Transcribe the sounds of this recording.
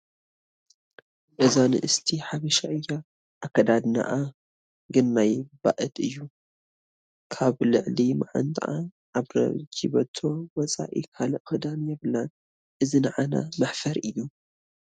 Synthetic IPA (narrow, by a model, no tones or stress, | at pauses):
ʔɨzanɨ̰ʔɨst̪ʰiħaβɐʃaʔɨjːa | ʔːkʰːɐd̪ad̪na̰ʔa | ɡɨnːajba̰ʔɨd̪ɨjːu | kʰaβlɨʕlimaʕa̰nt̪ʰʼaʔan | aβɾɐ̰d͡ʒḭβɐt̪ʰːo̞wɔt͡sʼa̰ʔḭkʰalɐʔxɨd̪anjɛβlan | ʔɨzinɐʕana̰mɐħfɐɾʔɨjːu